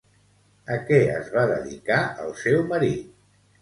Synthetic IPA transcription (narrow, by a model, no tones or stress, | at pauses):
əkɛə̰zβaðəðikaəlˠsɛwməɾit̪̚